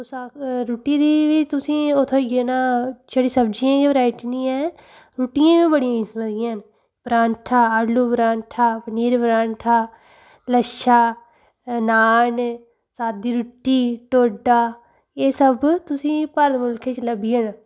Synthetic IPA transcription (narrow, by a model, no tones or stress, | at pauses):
saɾuːʈiːd̪iːʋiːt̪ʊsĩːot̪ʰoːiɡeːnaːd͡ʒəɽiːsəbd͡ʒijãːd͡ʒaːʋɾaːɪʈinĩːɛ̃ː | ɾuːʈɪjãːʋiːbəɽɪjãːisməd̪ɪjãːn | b̥ɾãːnʈʰaːəɽluːbɾaːɳʈʰaːpəniːɾbɾãːnʈʰaː | ləʃaː | naːn | saːd̪iːɾuʈiːʈoːɖaː | eːsəbt̪ʊsĩːpəɾd̪mʊlkʰet͡ʃləbijənː